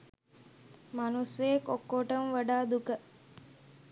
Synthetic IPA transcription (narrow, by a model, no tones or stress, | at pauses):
mɐnusejekokːoʈɐmʋɐɖaːd̪ukə